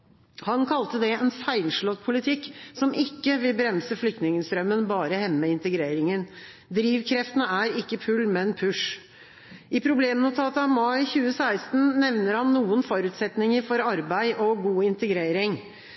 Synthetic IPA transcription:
hɑnkʰɑlt̪əd̪ɛɛnfæɪlʂɭɔt̪pʰʊlɪt̪ʰɪkːsɔmʔɪkːəʋɪlbɾɛmsəflʏk̚t̪nɪŋəst̪ɾœmːənbɑːɾəhɛmːəɪnt̪əɡɾeːɾɪŋən | d̪ɾiːʋkʰɾɛft̪ənəæɾɪkːəfʰʉlmɛnpʰʉʂ | ʔɪpʰɾʊbleːmnʊt̪ʰɑːt̪əɑmɑɪçʉːəsæɪst̪n̩nɛʋnəɾhɑnːuːənfɔɾʉːt̪sɛt̪nɪŋəɾfɔɾɑɾbæɪʔɔɡuːɪnt̪əɡɾeːɾɪŋ

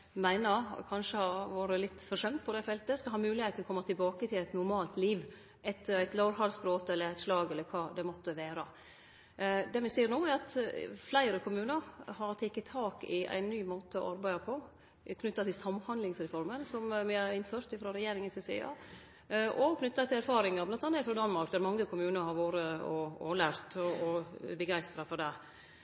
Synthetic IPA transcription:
mæɪnəɾkʰɑnʂəhɑʋɑːɾəlɪt̪ːfɔʂœmt̪pʰɔd̪ɛɪfɛlt̪əskɑhɑːmʉːlɪheːt̪ʰəlɔkʰɔmːɑt̪ʰɪlbɑːkət̪ʰɪlæɪt̪nʊɾmɑːlt̪liːʋ | ʔɛt̪ʰːəɾæɪt̪lɑʊɾhɑlsbɾoːt̪əɛlːəɾæɪt̪ʂlɑːɡɛlːəɾkʰɑːd̪ɛmɔt̪ːəʋeːɾɑ | d̪ɛmɪsiːɾnoːæɾɑt̪flæɪɾəkʰʊmʉːnəɾhɑɾt̪ʰɛkːət̪ʰːɑːkɪ̰ʔæ̰ɪnːyːmoːt̪əɔ̰ʔɑɾbæɪd̪ɑpʰɔ | kʰnʉt̪ːɑt̪ɪlsɑmhɑnlɪŋsɾɛfɔɾmənsɔmmɪhɑɾɪnføːɾt̪ɪfɾɑɾɛjeːɾɪŋɪsɛsɛ̰ɑ̰ː | ʔɔkʰnʏt̪ːɑt̪ʰɪlæɾfɑːɾɪŋɑblɑnt̪ɑnːɪfɾɑːd̪ɑnmɑɾk̚d̪æɾmɑŋːəkʰʊmʉːnəɾhɑɾʋoːɾəɔɔlæːɾt̪ɔɔbəɡæɪst̪ɾɑfɔɾɖ̪ɛ

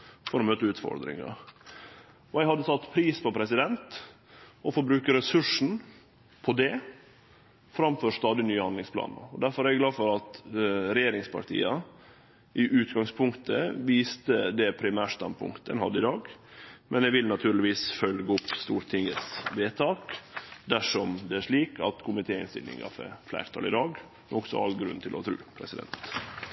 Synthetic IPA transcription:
fɔɾɔmøːt̪əʉːt̪fɔ̰ɾd̪ɾɪ̰ŋɑ̰ | ɔjæɪhɑd̪ːəsɑt̪ːpʰɾiːspɔpʰɾɛsɪd̪ɛnt̪ | ɔfɔɾbɾʉːkəɾɛsʉʂɳ̩ | pʰɔd̪ɛ | fɾɑmfɔʂt̪ɑːd̪ɪnyːəhɑnd̪lɪŋspʰlɑ̰ːn̰ɔd̪æɾfɔɾæɾɡlɑːfɔɾɑt̪ɾɛjeːɾɪŋspʰɑ̰ʈʰḭːɑ | ʔɪʔʉːt̪ɡɑŋspʰʊŋkt̪əʋiːst̪əd̪ɛpʰɾɪmæːʂt̪ɑnpʰʊ̰ŋkt̪ɛ̰nhɑ̰d̪ːəɪd̪ɑːɡmɛnɛʋɪlnɑt̪ʰʉːɾɭɪʋiːsfœlɡəʊpst̪uːɾʈ̪ʰɪŋət̪sʋeːt̪ʰɑːkd̪æʂɔmd̪ɛæʂɭiːkʰɑt̪kʰʊmɪt̪ʰeːɪ̰nst̪ɪ̰lnɪ̰ŋɑ̰fɛ̰flæ̰ːɾt̪ʰɑ̰lɪd̪ɑːɡ | mɛnɔksɔ̰ɑ̰lɡɾʉ̰nt̪ʰɪlʔɔt̪ʰɾʉ̰ːpʰɾɛsɪd̪ɛ̰nt̪

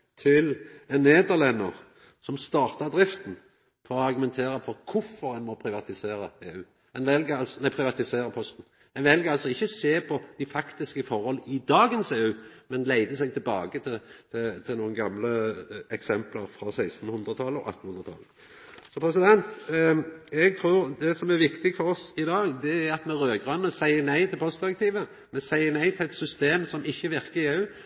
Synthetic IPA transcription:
t̪ʰɪlɛnːeːd̪əʁlɛnːəɾ | sɔmst̪ɑːʁt̪ɑʁd̪ɾɪft̪n̩ | fɔɾɔɑɾɡʉmɛnt̪ʰeːɾəfɔɾkʰʊfːɔɾɛnmɔpʰɾɪʋɑt̪ɪseːɾəeːʉː | ɛnʋɛlɡəɑlsɔnæɪpʰɾɪʋɑt̪ɪseːɾəpʰɔst̪n̩ | ɛnʋɛlɡəʁɑlsɔɪçːəseːpʰɔd̪̥æfɑkt̪ɪskəfɔʁhɔlɪd̪ɑːɡənseːʉːmɛnlæɪd̪əsɛɪɡ̚t̪ʰɪɛlbɑːɡət̪ʰɪt̪ʰɪt̪ʰɪlnuːənɡɑmləɛksɛmpləɾfɾɑsæɪst̪n̩hʉnd̪ɾət̪ʰɑləɔ̰ʔɑ̰t̪ːn̩hʉnʁət̪ʰɑ̰lə | sɔpʰɾɛsɪd̪ɛnt̪ | ɛɡ̚t̪ʰɾuːɾd̪ɛsɔmæɾʋɪkt̪ɪɡfɔɾɔsɪd̪ɑːɡd̪ɛæɾɑt̪mɛɾøːɡʁɑnːəsæɪənæɪt̪ʰɪlpʰɔst̪d̪ɪɾɛkt̪iːʋə | mɛsæɪənæɪt̪ʰɪlɛt̪sʏst̪eːmsɔmɪçːəʋɪʁkəɪeːʉː

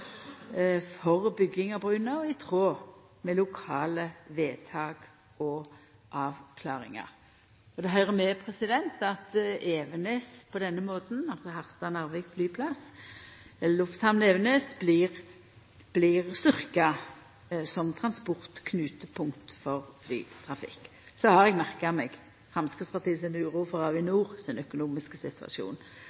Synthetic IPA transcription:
fɔʁbʏɡːɪŋɑbʁʉːnəɔɪt̪ʰʁoː | mɛlʊkʰɑːləʋeːt̪ʰɑːɡ | ɔ | ʔɑːʋkʰlɑːʁɪ̰ŋɑ̰ʁ | ɔd̪ɛɦœʏɾəmɛpʰʁɛsɪd̪ɛnt̪ɑt̪eːʋəneːspʰɔd̪ɛnːəmoːt̪n̩ɑlsɔhɑʁst̪ɑnæʁʋɪkblyːpʰlɑs | ɛəlʊft̪hɑmneːʋənøːsblɪʁ | b̥lɪʁst̪ʏʁkɑ | sɔmt̪ʰʁɑnspɔʁt̪kʰnʉːt̪əpʰʊŋkt̪fɔʁfly̰ːt̪ʰʁɑfɪ̰kː | sɔhɑɾɛɡmæʁkəɑmɛɡ | fɾʁɑmskɪt̪spʰɑʁt̪ʰiːsɛnʉːɾuːfɔʁɑʋɪnuːʁsɪnœkʊnuːmɪskəsɪt̪ʰʋɑ̰ʃjṵːn

